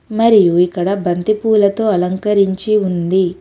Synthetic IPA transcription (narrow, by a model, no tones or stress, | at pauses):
mɐɾijuikːɐɽɐbɐnt̪ipuːlɐt̪o̞ːɐlɐŋkɐɾiɲt͡ʃiund̪i